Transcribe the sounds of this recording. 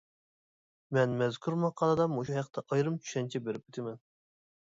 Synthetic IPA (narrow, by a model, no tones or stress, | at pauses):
mɛnmɛzkʰʲuɾmɑqʰɑlˠɨd̪ɑmoʃuɦæqt̪ʰɛʔɑjɾɨmt͡ʃʰy̥ʃɛnt͡ʃʰɛbeɾɪp̚yt̪ʰɪmɛn